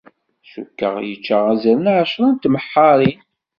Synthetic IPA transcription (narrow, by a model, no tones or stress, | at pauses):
sṵkːə̰ʁjət͡ʃːəʁæzæɾənʕʃɾˤɑnt̪məħːɑɾˤin